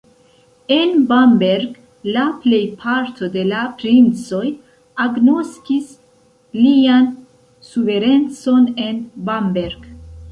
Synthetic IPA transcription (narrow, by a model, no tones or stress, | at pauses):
e̞nbambe̞ɾɡ | laple̞jpʰaɾt̪ʰo̞de̞lapɾint͡so̞j | aɡno̞skis | lian | suve̞ɾe̞nt͡so̞ne̞nbambeɾɡ̥